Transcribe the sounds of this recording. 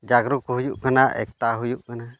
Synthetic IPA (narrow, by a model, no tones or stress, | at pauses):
d͡ʒaɡɾukuɦujuʔkanaʔɛ̰k̚t̪aɦujuʔkana